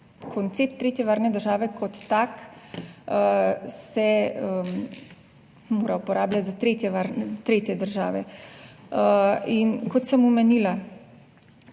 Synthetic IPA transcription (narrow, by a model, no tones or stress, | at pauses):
kʰɔnt̪seːpt̪ːɾeːt̪jɛʋaːɾnɛd̪əɾʒaːʋɛkɔt̪ːak | əsɛə | moːɾaupɔɾaːblʲjat̪ʲzat̪ɾeːt̪jɛʋaɾnɛt̪ɾeːt̪jɛd̪əɾʒaːʋɛ | əinkɔt̪səmumɛnila